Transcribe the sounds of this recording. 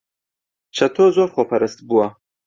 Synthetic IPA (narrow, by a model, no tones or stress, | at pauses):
t͡ʃʰɐt̪ʰoːzoːɾχoːpʰɐɾɨst̪buwɐ